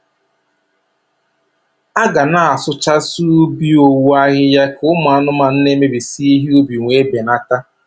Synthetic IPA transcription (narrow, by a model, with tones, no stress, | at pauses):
a˦ɡa˨na˦a˨sʊ˦t͡ʃa˦su˦u˦bi˦o˨wu˦a˦ɣɪ˦ja˦kʊ˦ma˨a˦nʊ˦ma˨n̩˦ne˦me˦bi˨si˦i˦ɦi˦u˦bi˨ŋʷe˦be˨na˦ta˦